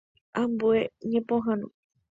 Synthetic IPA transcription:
ʔãmbueɲẽpõɦãnõ

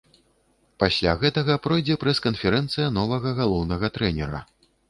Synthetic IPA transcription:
pasʲlʲaɣɛt̪ɐɣɐpɾɔjd͡zʲɛpɾɐskɐnfʲɛɾɛnt̪sɨjɐn̪ɔvɐɣɐɣalˠɔwnɐɣɐt̪ɾɛnʲɛɾɐ̰

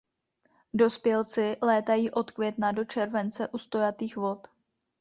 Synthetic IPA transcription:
do̞spjɛlt͡sɪlɛːt̪ajiːʔo̞t̪kvʲjɛt̪nado̞t͡ʃɛɾvɛnt͡sɛʔust̪o̞jat̪iːxvo̞t̪

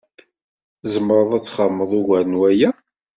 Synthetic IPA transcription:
zəmːɾˤəðˤæt͡sːχəmːəðˤʊɣæɾənwæjæ

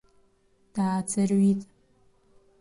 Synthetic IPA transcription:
d̥aːt͡sʰɐrwiːtʼ

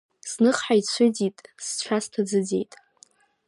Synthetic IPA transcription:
snɨχħajt͡sʷʰʊd͡zitʼst͡ɕʷʰastʰad͡zɨd͡ze̞jtʼ

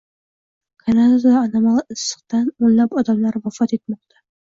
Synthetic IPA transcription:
kʰanad̪ad̪ad̪aːnamalˠɨsːɨ̥qt̪anonlapɒd̪amlaɾvafɒt̪e̞t̪mɒq̚t̪ʰa

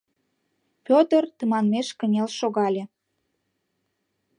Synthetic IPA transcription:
pʲot̪ərt̪əmɑnmeʃkənʲelʃoɣɑlʲe

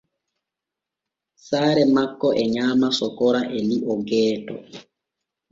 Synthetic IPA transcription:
saːɾɛmakːɔʔɛɲaːmasɔkɔɾaʔɛliʔɔɡɛːtɔ̰

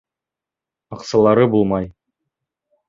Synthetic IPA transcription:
ɑqsɤ̆lˠɑɾɤbulˠmɑj

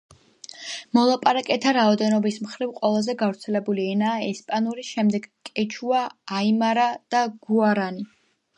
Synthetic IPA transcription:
mɔlˠapʼaɾakʼɛt̪ʰaɾaɔd̪ɛnɔbismχɾivqʼwɛlˠazɛɡavɾt̪sʰɛlɛbuliɛnaːɛspʼanuɾiʃɛmd̪ɛɡkʼɛt͡ʃʰuaːimaɾad̪̥aɡ̥uaɾani

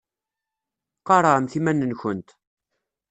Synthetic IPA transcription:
qːɑɾˤɑəmθimænːənçənt̪

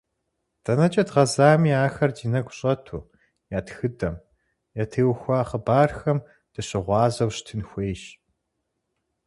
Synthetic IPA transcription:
d̥ɐnɐt͡ʃʼɐdʁɐzaːmiːaːxɐrdiːnɐɡʷɕʼɐtʰṵː | jaːtxɨdɐm | jɐtʰeːwxʷɑːχəbaːrxɐm | d̥ɨɕɪʁʷɑːzɐwɕtʰɨnxʷeːʃ

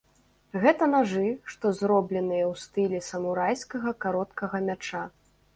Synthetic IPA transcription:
ɣɛt̪ɐnaʐɨʂt̪ɔzɾɔblʲɛn̪ɨjɐwst̪ɨlʲɛsɐmuɾajskɐɣɐkaɾɔt̪kɐɣɐmʲat͡ʂa

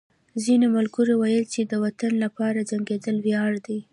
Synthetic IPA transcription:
zinemalɡuɾewajəlt͡ʃed̪əwat̪anlapɑɾad͡ʒaŋɡed̪əlwjɑɽd̪aj

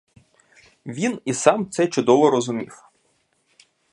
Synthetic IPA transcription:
ʋʲinisɑmt̪sɛt͡ʃʊd̪ɔʋɔɾɔzʊmʲḭw

